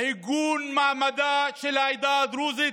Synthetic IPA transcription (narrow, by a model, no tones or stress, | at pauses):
ɦiɡuːnmaːmɐd̪at͡ʃɪlaːjd̪aːd̪ɾuːzi